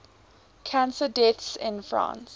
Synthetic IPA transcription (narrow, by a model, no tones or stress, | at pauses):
kʰãnsədɛtsɪ̰̃nfɹã̰ːns